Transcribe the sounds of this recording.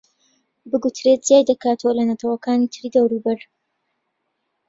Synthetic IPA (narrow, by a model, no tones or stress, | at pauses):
bɨɡut̪ʰɾe̞t̪̚zjaːjd̪ɐkaːt̪ʰəwɐlɐnɐt̪ʰɐwɐkaːnit̪ʰɨɾiːd̪ɐwɾubɐɾ